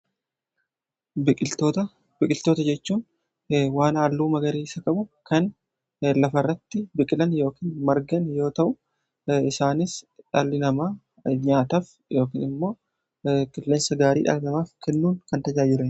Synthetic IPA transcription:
bʼɪt̪ot̪ɐ | bɪkʼɪlt̪o̞ːt̪ɐd͡ʒɛt͡ʃːuːn | waːnaːlːuːmɐɡɐɾiːɪsɐkɐbʊkɐn | lɐfɐrːɐt̪ːɪbɪkʼɪlɐnjo̞ːkiːnmɐɾɡɐnjo̞ːt̪ɐʔʊ | ɪsaːnɪsᶑɐlːɪnɐmaː | ɲaːt̪ɐf | jo̞ːkḭːnɪmːo̞ː | kɪlːeːnsɐɡaːɾḭːᶑɐ̰lɪnɐmaːfkʰɛnːuːnkɐnt̪ɐd͡ʒaːd͡ʒɪlɐn

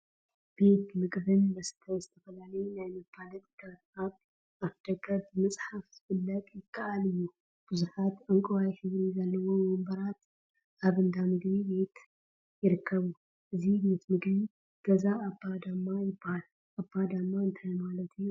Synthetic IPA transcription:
b̥e̞t̪mɨɡʼbɨnbɐsɨ̥t̪ʰajzɨt̪ʰɐfɐlalɐjunajmɐbalɐt̪ʼɡat̪̚aβ | ʔaβd̪̥ɐɡɐbːɨmɐsʼħafzɨfɨlːɐt̪ʼjɪkʰʼːaʔalɨjːu | b̥ɨzuħat̪ʔaŋkʼɐwajhɨβɾizɐlːɐwo̞mombɐɾat̪ | ʔaβɨnd̪amɨɡbibe̞t̪ | jɪɾɨkʰːɐβu | ʔɨzibe̞t̪mɨɡbi | ɡ̥ɐzaːbːad̪amːajɪbahal | ʔabːad̪amːaɨnt̪ʰajmalɐt̪ʰɨjːu

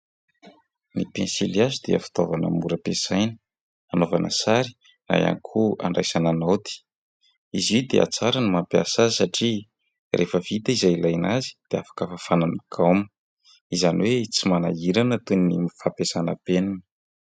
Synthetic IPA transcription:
nipensiliazud̪eə̰fi̥t̪ovanə̰muɾəpesajnə̥ | anovanʔə̰saɾi̥ | na̰ja̰nikʰua̰ɳɖ͡ʐajsananowt̪i̥ | izid̪ḛa̰t͡saɾanimampjasasaʈ͡ʂi | rʔefəvit̪aizajilajnazi̥d̪̥eafḁkəfafananikʰawmə̥ | izaniwet͡simanaiɾanat̪unimifapesanəpeninə̥

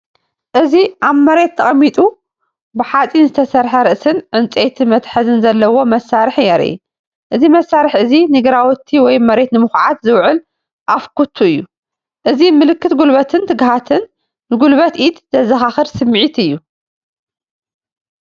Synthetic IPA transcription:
ʔɨziʔaβmɐɾe̞t̪ʰːɐχʼmːit̪ʼu | bɨħat͡sʼinzɨt̪ʰɐsɐɾħɐɾɨʔsɨnʕɨnt͡sʼet̪ʰimɐt̪ħɐzɨnzɐlːɐwo̞mɐsːaɾɨħjɛɾɨ̰ʔ | ʔɨzimɐsːaɾɨħɨzinɨɡɾawt̪ʰːiwɔjmɐɾe̞t̪nɨmɨxʕat̪zɨwʕɨl | ʔafkʰut̪ʰːuɨjːu | ʔɨzimɨlɨkːɨt̪ɡulβɐt̪ʰɨnt̪ʰɨɡɦat̪ʰɨnː | ɨɡulβɐt̪ʔit̪z̥ɐzɐxaxɨɾsɨmːʕit̪ɨjːu

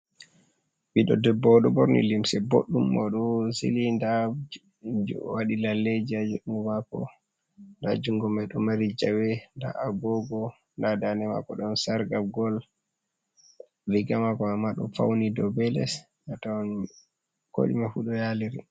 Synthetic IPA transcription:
biɗɔ̰dɛbːɔɗɔbɔɾnḭlimsɛbo̰ɗːumːɔɗɔsḭlinda | waɗilalːed͡ʒiad͡ʒuɗuŋɡɔmakɔ̰ | nda̰d͡ʒuŋɡɔmɛɗɔmaɾid͡ʒawɛnda̰ʔaɡɔɡɔ | ndadanɛma̰kɔɗɔnsaɾɡaɡɔl | ɾiɡamakɔamaɗɔ̰fa̰wnidɔbɛlɛs | atawn | ko̰ɗḭmafuɗɔjaliɾi

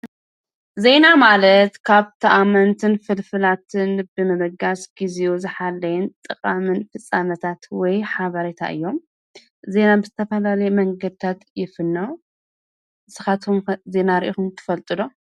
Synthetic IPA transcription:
ze̞namalɐt̪kʰaβt̪ʰɐʔamɐnt̪ʰɨnfɨlfɨlat̪ʰɨnbɨmɐβɐɡasɡ̥iziʔuzɨħalːɐjɛnt̪ʼɨkʼamɨnfɨsʼanɐt̪ʰat̪wɔjħaβɐɾet̪ʰa̰ʔɨ̰jːo̞m | ze̞nabɨzɨt̪ʰɐfɐlalɐjɛmɐŋɡɐd̪̚t̪ʰat̪jɪfɨnːo | ɨsɨxat̪ʰmze̞naɾʔixumt̪ʰɨ̥fɐlt̪ʼɨlo̞

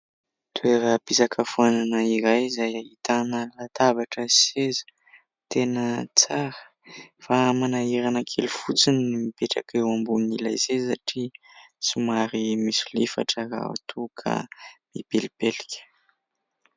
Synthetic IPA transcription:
t̪ueɾəpisakʰəfuananəiɾajzajaɦit̪anəlat̪abaʈ͡ʂəsezə̥ | t̪enət͡saɾə | famanaiɾanakʰelufut͡sinimipeʈ͡ʂa̰kewambunila̰jzesaʈ͡ʂi | sumaɾimisulifa̰ʈ͡ʂəɾa̰a̰t̪ʰukʰa̰mipilipelikʲə̥

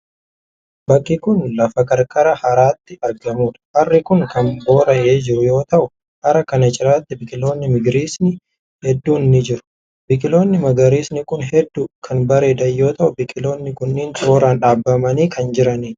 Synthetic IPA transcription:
bɐkʼːɪkʊnlɐfɐkɐɾkʼɐɾɐhɐɾaːt̪ːɪɐɾɡɐmuːᶑɐ̥hɐrːɪkʊŋkɐmbo̞ːɾɐʔeːd͡ʒɪɾʊjo̞ːt̪ɐʔʊ | hɐɾɐkɐnɐt͡ʃʼɪɾaːt̪ːɪbɪkʼɪlo̞ːnːɪmɪɡɾiːsnɪ | hɛd̪ːuːnɪnɪd͡ʒɪɾʊ̥ | bɪkʼɪlo̞ːnːɪmɐɡɐɾiːsnɪkʊnɦɛd̪ːuːkʰɐnbɐɾeːd̪ɐjːo̞ːt̪ɐʔʊbɪkʼɪlo̞ːnːɪkʊnːɪːnt͡ʃ̪ʼoːɾaːnᶑaːbːɐmɐniːkʰɐnd͡ʒɪɾɐniː

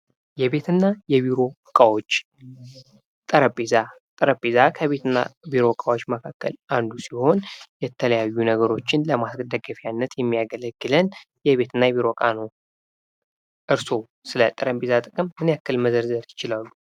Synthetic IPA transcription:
jɛβe̞t̪ʰɨnːajɛβiɾo̞ | kʼawot͡ʃː | t̪ʼəɾəpʼeza | t̪ʼəɾəpʼːezakʰəβe̞t̪ɨnːa̰biɾo̞kʼawo̞t͡ʃːməkʰakːə̰land̪usiho̞njɛt̪ʰələjajːunəɡəɾo̞t͡ʃːɪnləmasɡəd̪əɡəfijanːət̪jɛmːijaɡələɡːɨlən | jɛβe̞t̪ʰɨnːajɛβiɾo̞kʼano | ʔɨɾso̞ | sɨlət̪ʼːəɾəmbezat̪ʼɨkʼɨmːɨnjakːəlməzəɾzəɾjɪt͡ʃɪlalːu

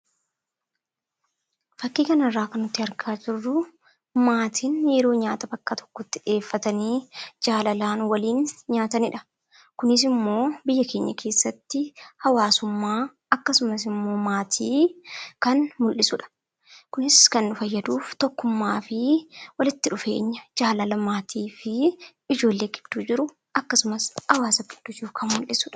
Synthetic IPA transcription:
fɐkːiːkɐnɐrːaːkɐnʊt̪ːɪɐɾɡaːd͡ʒɪrːʊ | maːt̪ʰiːnjɛɾo̞ːɲaːt̪ɐbɐkːaːt̪ʰɔ̥kːɔt̪ːɪᶑe̞ːfːɐt̪ɐniːd͡ʒaːlɐlaːnwɐliːnɲaːt̪ɐnɪᶑɐ | kʊnɪs̬ɪmːo̞ːbɪjːɐkʰe̞ːɲːɐkʰe̞ːsːɐt̪ːɪhɐwaːsʊmːaː | ɐkːɐsʊmɐs̬ɪmːo̞ːmaːt̪ʰiːkɐnmʊlːɪsʊᶑɐ̥ | kʊnɪskɐnːʊfɐjːɐd̪uːft̪ɔkːʊmːaːfɪwɐlɪt̪ːɪᶑʊfe̞̰ːɲːɐd͡ʒaːlɐlɐmaːt̪ʰiːfɪ | ɪd͡ʒo̞ːlːe̞ːɡɪd̪̥ːuːd͡ʒɪɾʊ | ɐkːɐsʊmɐsɐwaːsɐɡɪd̪̥ːʊd͡ʒɪɾʊkʰɐnmʊlːɪsʊᶑɐ̥

